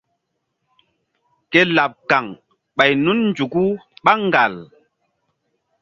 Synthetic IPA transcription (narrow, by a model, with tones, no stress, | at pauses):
kɛ˦la˨p̚ka˨ŋ | ɓa˨jnu˦nn̩˦d͡ʒu˨ku˦ɓa˦ŋɡa˨l